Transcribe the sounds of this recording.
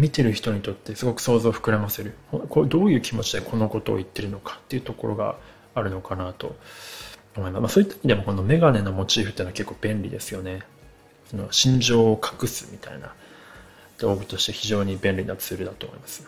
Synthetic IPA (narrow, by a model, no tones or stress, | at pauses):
mʲit̪e̞ɾɯ̟çi̥t̪o̞ɲ̟it̪o̞t̪ːe̞sɨɡo̞kɯ̟̥so̞ːzo̞ːɸɯ̥kɯ̟ɾamase̞ɾɯ̟hokod̪o̞ːjɯ̟ːkʲimo̞t͡ɕid̪e̞kʰo̞no̞ko̞t̪o̞̰ːit̪ːe̞ɾɯ̟no̞kḁt̪ːe̞iɯ̟t̪o̞ko̞ɾʔo̞ɡa̰ | aɾɯ̟no̞kanat̪o̞̰ | omo̞imasmasoːit̪ːaimʲid̪emo̞ko̞no̞me̞ɡane̞no̞mo̞t͡ɕiːɸɯ̟t̪ːeːnoake̞kːoːb̥ẽ̞ɳɾʲḭd̪e̞sɨjo̞ne̞ | sonoɕĩɲ̟d͡ʑo̞ːkʰḁkɯ̟sɨ̥mʲit̪a̰ḭna̰ | d̪̥oːɡit̪o̞ɕi̥t̪e̞çiʑo̞ːɲ̟ibẽ̞nɾʲinat͡sɨɾɯ̟d̪at̪oːmoimasɨ̥